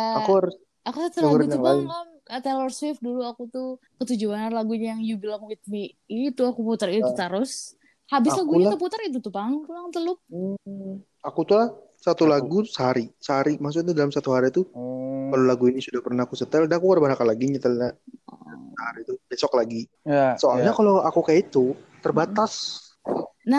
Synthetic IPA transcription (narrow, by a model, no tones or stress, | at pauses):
aakuhaɾʊs | akusat̪əlaɾauŋlaɪnam | ət̪elɔrswɪfduluakut̪ʊ | kət̪ud͡ʒuanarlaɡuɲajaŋjubilamwit̪̚mi | it̪uakuput̪ərit̪ut̪əɾʊs | habɪslaɡuɲat̪əp̬ut̪ərit̪ut̪ʊpaŋklaŋt̪əlʊp̚ | akut̪ulah | sat̪ulaɡusəɦaɾisəɦaɾimas̬ukt̪udalamsat̪uɦaɾit̪ukalolaɡuinisudahpərnahakusət̪əldanakukadabanakanlaɡiɲət̪əlɲa | səɦaɾit̪ubesɔklaɡi | jasoalɲakaloakukajait̪u | t̪ərbat̪as | na